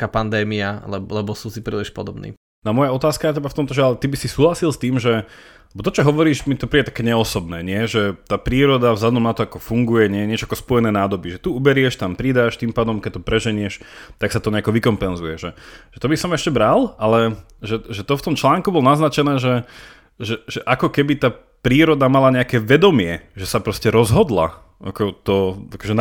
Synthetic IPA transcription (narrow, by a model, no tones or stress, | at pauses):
kapand̪ɛːmialɛlɛbɔsusipɾḭːliʃpɔd̪ɔbnḭː | namɔjaɔt̪aːskaɛtcɛbaft̪ɔmt̪ɔʒɛalɛt̪ibisisuːɦlasilst̪iːmʒɛ | lɛbɔt̪ɔt͡ʃɔɦɔʋɔɾiːʃmit̪ɔpɾiːɟɛt̪akɛːɲɛɔsɔbnɛ̰ːɲɪɛʒɛt̪aːpɾiːɾɔd̪avzlad̪ɔmnat̪ɔakɔfuŋɡujɛɲɪɛjɛɲɪɛt͡ʃɔakɔspɔjɛnɛːnaːd̪ɔbiʒɛt̪uubɛɾɪɛʃt̪ampɾiːd̪aːʃt̪impaːd̪ɔmkɛc̚t̪ːɔpɾɛʒɛɲɪɛʃt̪aksat̪ɔɲɛakɔʋikɔmpɛnzujɛʒɛʒ̥ɛt̪ɔbisɔmɛʃcɛbɾalalɛ | ʒɛʒɛt̪ɔft̪ɔmt͡ʃlaːŋkubɔlnaznat͡ʃɛnɛːʒɛ | ʒɛʒɛʔakɔkɛbit̪aː | pɾiːɾɔd̪amalaɲɛakɛːʋɛd̪ɔmɪɛʒɛsapɾɔscɛɾɔzɦɔd̪la̰ | ʔa̰kɔt̪ɔakɔʒɛ